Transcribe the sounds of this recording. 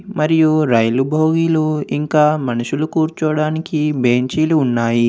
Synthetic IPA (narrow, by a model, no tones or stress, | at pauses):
mɐɾijuɾɐjlubʱoːɡiluiŋkaːmɐnuʃulukuːɾt͡ʃɔːɽaːnikibe̞ːɲt͡ʃiːluːnːaːji